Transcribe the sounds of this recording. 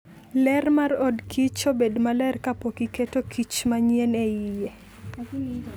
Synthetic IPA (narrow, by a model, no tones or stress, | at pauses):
lɛrmarɔdkʰit͡ʃobedmalɛrkapokiketokʰit͡ʃmaɲjenɛije